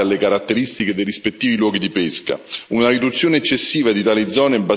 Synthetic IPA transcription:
alːekaɾat̪ːeɾist̪iked̪ejrispet̪ːiːvilwɔːɡid̪ipeska̰unaɾid̪ut̪sːjoːneɛt͡ʃːesːiːvad̪it̪aːlid̪zɔːnebːa

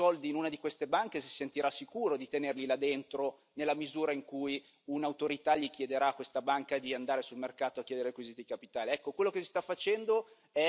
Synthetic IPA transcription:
ɔld̪iːnunad̪ikwest̪ebaŋkesi̥sent̪iɾasːikuːɾod̪it̪enerlilad̪ent̪ɾo | nelːamizuːɾaiŋkuj | unaut̪oɾit̪aʎikjed̪eɾaːkwest̪abaŋkad̪iand̪aːɾesulmerkaːt̪oakːjɛːd̪eɾekwiziːt̪iikapit̪aːliɛkːokwelːokesi̥st̪afːat͡ʃɛnd̪o | ɛ

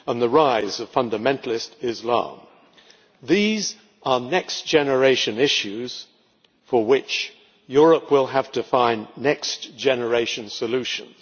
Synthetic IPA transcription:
ə̃nðəɹaɪzʌv̥fʌ̃ndɨmɛ̃ntʰl̩ˠɪstɪzlɑ̰̃m | ðiz | ʔə˞nɛksd̥ʒ̥ɛnə˞eɪʃɨ̃nɪʃʉz̥ | fə˞wɪt͡ʃ | jʊɹəpʰwɪlˠəv̥tɨfãɪ̃nːɛksd̥ʒ̥ɛnə˞eɪʃɨ̃nsəlʉʃɨ̰̃nz̥

